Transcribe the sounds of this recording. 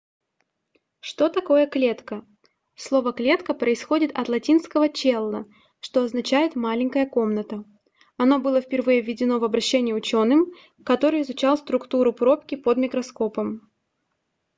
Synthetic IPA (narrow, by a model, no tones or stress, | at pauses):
ʂt̪o̞t̪ɐko̞jəklʲe̞t̪kə | slˠo̞vəklʲe̞t̪kəpɾəɪsxo̞dʲɪt̪ɐt̪lˠɐtʲinskəvət͡ɕelˠːə | ʂt̪o̞ɐznɐt͡ɕæjɪt̪malʲɪŋʲkəjəko̞mnət̪ə | ɐno̞bɨlˠəfpʲɪrvɨjəvʲːɪdʲɪno̞vɐbɾɐɕːenʲɪjɪʊt͡ɕo̞nːɨm | kɐt̪o̞ɾɨɪzʊt͡ɕalˠst̪ɾʊkt̪uɾʊpɾo̞pkʲɪpod̪mʲɪkɾɐsko̞pəm